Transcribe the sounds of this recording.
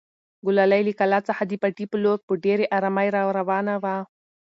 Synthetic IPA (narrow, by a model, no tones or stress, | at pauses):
ɡʊlalajlikalat͡sahad̪ipaʈipəloɾpəɖeɾeʔaɾamajɾɑwɾawɑnawa